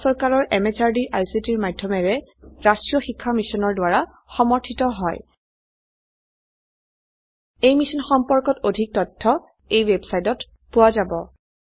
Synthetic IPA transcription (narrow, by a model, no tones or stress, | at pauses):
sɔɹkaɹɔɹʔɛmɛt͡ʃaɹdiʔajsitiɹmadʱːɔmɛɹɛɹastɹijɔxikʰːamisɔnɔɹdʊwaɹa | xɔmɔɹtʰitɔɦɔj | ejmisɔnxɔmpɔɹkɔtodʱik̚tɔtʰːɔ | ejwɛbsajtɔt | pʊwazabɔ̰